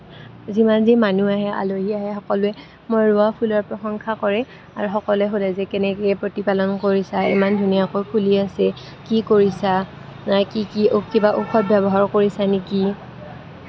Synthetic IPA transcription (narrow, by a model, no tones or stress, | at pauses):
zimanzimanuaɦɛa̰loɦiaɦɛxɔkɔlʊɛ | mojɹʊapʰulɔɹpɹɔxɔŋkʰakɔɹɛ | aɹuxɔkɔlɛxolɛzɛkɛnɛkɛpɹotipalɔnkoɹisaḭmandʱunijakojkʰuliasɛ | kikoɹisa | nakikiokibaʔuxɔt̚bʱjɛbɔɦaɹkoɹisaneki